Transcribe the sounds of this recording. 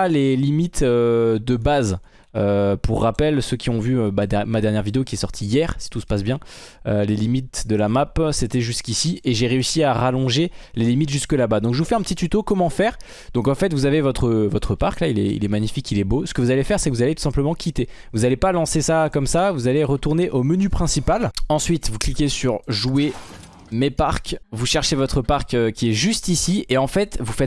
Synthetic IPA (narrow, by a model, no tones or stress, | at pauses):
lelimit̪ød̪əbaz | øpuʁːapɛlsøkʲiɔ̃vyøbad̪ɛmad̪ɛʁnjɛʁvid̪eokʲiɛsɔʁt̪ʰijɛʁsi̥t̪usə̥pas̬bjɛ̃ølelimit̪̚d̪əlamapset̪ɛʒyskʲisieʒeʁeysiaʁalɔ̃ʒelelimit̪ʒyskəlabad̪ɔ̃kʒəvufɛɛ̃pət̪it̪yt̪okɔmɑ̃fɛːʁ | d̪ɔ̃kɑ̃fɛt̪vuzavevɔt̪χəvɔt̪χəpaʁklailɛ̰ḭlɛmaɲifikilɛbosə̥kəvuzalefɛʁsɛkəvuzalet̪u̥sɛ̃pləmɑ̃kʲit̪e | vuzalepalɑ̃sesakɔmsavuzaleʁət̪uʁneʔomənypχɛ̃sipalɑ̃sɥit̪vuklikʲesyʁʒue | mepaʁkvuʃɛʁʃevɔt̪χəpaʁkøkʲiɛʒyst̪isieɑ̃fɛt̪vufɛt̪